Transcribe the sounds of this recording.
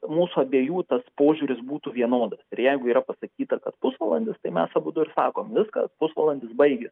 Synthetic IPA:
muːsʊɐbʲeːjuːt̪ɐspoːʒʲuːɾʲɪsbuːt̪uʋʲiɛnoːd̪ɐsɪɾjɛɪɡʊiːɾɐpɐsɐkʲiːt̪ɐkɐt̪pʊsʋɐlˠɐnʲd̪ʲɪst̪ɐɪmʲɛsɐbʊd̪ʊɪɾsɑ̰ːkoːmʋʲɪskɐ̰pʊsʋɐlˠɐnʲd̪ʲɪsbɐɪɡʲes

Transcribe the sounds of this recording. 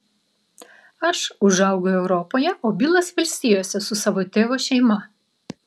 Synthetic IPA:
ɐʃʊʒɐˑʊɡʊɛʊɾɔpoːjɛʔoːbʲiːlˠɐsʋɐlʲsʲt̪ʲijoːsʲɛsʊsɑːʋoːt̪ʲeːʋoːʃʲɛɪmɐ

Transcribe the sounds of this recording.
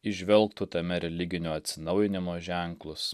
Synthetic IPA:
ɪʒʲʋʲɛlˠˑkt̪ut̪ɐmʲɛɾʲɛlʲɪɡʲɪnʲuːɐt̪ʲsʲɪnɐʊjɪnʲɪmoːʒʲæˑŋklˠʊs

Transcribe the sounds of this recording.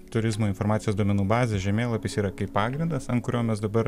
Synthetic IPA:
t̪ʊɾʲɪzmoːɪnfoːɾmɑːt̪sʲɪjoːsd̪oɔmʲɛnuːbɑːzʲeʒʲɛmʲeːlˠɐpʲiːsiːɾɐkɐɪpppɑːɡɾʲɪnd̪ɐsɐntkʊɾʲoːmʲɛs̬d̪ɐbɐɾ

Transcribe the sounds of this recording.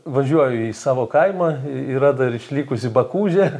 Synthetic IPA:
ʋɐʒʲuɔjʊiːsɑːʋoːkɐɪmɐiːɾɐd̪ɐɪɾɪʃʲlʲiːkʊsʲɪbɐkuːʒʲɛ

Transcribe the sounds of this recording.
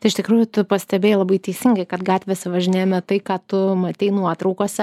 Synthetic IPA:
t̪ɐɪɪʃt̪ʲɪkɾuːjʊt̪ʊpɐsʲt̪ʲɛbʲeːjlˠɐbɐɪt̪ʲɛɪsʲɪŋɡɐɪkɐt̪ɡɑːt̪ʲʋʲeːsʲɛʋɐʒʲɪnʲeːjmʲɛt̪ɐɪkɑːt̪ʊmɐt̪ʲɛɪnuɔt̪ɾɐʊkoːsʲɛ

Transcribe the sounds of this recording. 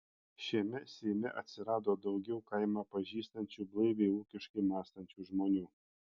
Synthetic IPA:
ʃʲiɛmʲɛsʲimʲɪʔɐt̪ʲsʲɪɾɑːd̪oːd̪ɒʊɡʲɛʊkɐɪmɑːpɐʒʲiːst̪ɐnʲt͡ʃʲuːblˠɐɪʋʲeɪuːkʲɪʃkɐɪmɑːst̪ɐnʲt͡ʃʲuːʒmoːnʲuː

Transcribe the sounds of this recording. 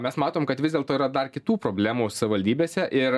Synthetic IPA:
mʲɛsmɑːt̪oːmkɐt̪ʋʲɪzʲdʲeɛlˠt̪oːiːɾɐd̪ɐrkʲɪt̪uːpɾoːbʲlʲæːmuːsʊsɐʋʲɪʋɐlʲd̪ʲiːbʲeːsʲɛʔɪɾ

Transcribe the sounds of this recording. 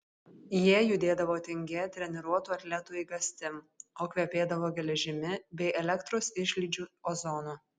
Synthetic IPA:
jiɛjʊd̪ʲeːd̪ɐʋoːt̪ʲɪŋʲɡʲɛt̪ʲɾʲɛnʲɛɾuɔt̪uːɐt̪ʲlʲɛt̪uːiːɡɐsʲt̪ʲɪm | oːkʋʲɛpʲeːd̪ɐʋoːɡʲɛlʲɛʒʲɪmʲɪbʲɛɪʔɛlʲɛkt̪ɾoːsɪʃʲlʲiːˑd͡ʒʲuːoːzɔnuː

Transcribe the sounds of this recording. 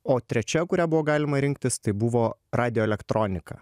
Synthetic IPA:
oːt̪ʲɾʲɛt͡ʃʲɛkʊɾʲæːbʊʋoːɡɑːlʲɪmɐɾʲɪŋk̚t̪ʲɪst̪ɐɪbʊʋoːɾɑːd̪ʲɪjoːɛlʲɛkt̪ɾʔoːnʲɪkɑ̰ː

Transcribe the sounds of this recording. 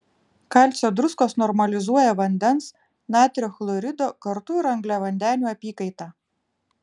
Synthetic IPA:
kɑˑlʲsʲoːd̪ɾʊskoːsnɔɾmɐlʲɪzuɔjɛʋɐnʲd̪ʲɛns | nʲæːt̪ʲɾʲoxlˠɔɾʲɪd̪oːkɐɾt̪uɪɾɐŋɡlʲæʋɐnʲd̪ʲæːnʲuːɐpʲiːkɐɪt̪ɑː

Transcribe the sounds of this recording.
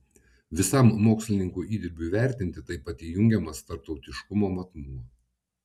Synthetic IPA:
ʋʲɪsɐmːoːksʲlʲɪnʲɪŋkuːʔiːd̪ʲɪɾʲbʲʊʋʲæˑɾʲt̪ʲɪnʲt̪ʲɪt̪ɐɪpɐt̪ʲijʊŋʲɡʲɛmɐst̪ɐɾp̚t̪ɒʊt̪ʲɪʃkʊmoːmɐt̪mʊmɐ

